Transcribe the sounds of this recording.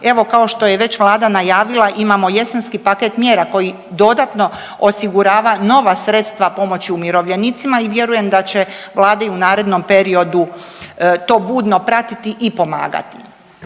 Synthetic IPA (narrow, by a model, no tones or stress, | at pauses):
e̞ʋo̞kao̞ʃt̪o̞jeʋe̞t͡ɕʋlˠaːd̪anajaːʋilˠaʔimamo̞je̞sanskipaket̪mje̞ːɾako̞ji | d̪o̞d̪at̪no̞ | osiɡuɾaːʋano̞ʋasɾe̞t̪st̪ʋapo̞mo̞t͡ɕiumjiɾo̞ʋʎe̞nit̪simaiʋje̞ɾuje̞md̪at͡ɕeʋlˠaːd̪eunaːɾe̞d̪no̞mpe̞ɾio̞d̪u | t̪o̞ːbuːd̪no̞pɾat̪it̪iʔipo̞ma̰ːɡa̰t̪i